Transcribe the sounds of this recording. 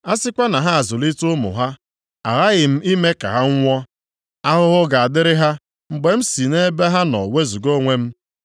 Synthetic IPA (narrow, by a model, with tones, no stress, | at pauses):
a˦sɪ˦kʷa˦na˨ɦa˦a˨zʊ˨li˦tʊ˦mʊ̰˨ɦa˦ | a̰˨ɾa˦ɣɪ˨m̩˦i˦me˦ka̰˨ɦa˦ŋ̩ʷ˦ɔ˦ | a˦ɦʊ˦ɣʊ˦ɡa˨a˨dɪ˦ɾɪ˦ɦa˦ | ŋ͡m̩˨ɡ͡be˨m̩˦si˨ne˦be˦ɦa˦nɔ̰˨we˦zu˨ɡo˦ŋʷe˦m̩˦